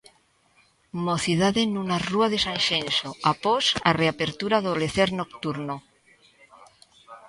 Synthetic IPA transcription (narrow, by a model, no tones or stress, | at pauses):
moθiðaðenunaruaðesanʃensoaposareape̞ɾt̪uɾaðoleθeɾnok̚t̪uɾno